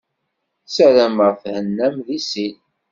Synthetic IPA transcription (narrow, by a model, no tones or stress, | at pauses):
sæɾæməʁfhənːæmðisin